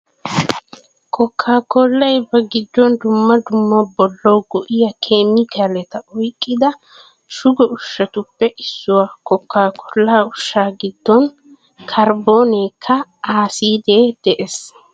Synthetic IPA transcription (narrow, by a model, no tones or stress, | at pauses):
kɔkʰːaːkɔlːɐjbɐɡɪd̪ːɔnd̪ʊmːɐd̪ʊmːɐbɔlːɔwɡɔʔɪjɐkʰeːmɪkɐlɛt̪ɐɔjkʼːɪd̪ɐ | ʃʊɡɔʊʃːɐt̪ʊpːɛʔɪsːʊwaːkɔkːaːkʰɔlːaːʊʃːaːɡɪd̪ːɔn | kʰɐɾboːneːkʰːɐaːsiːd̪eːd̪̥ɛʔes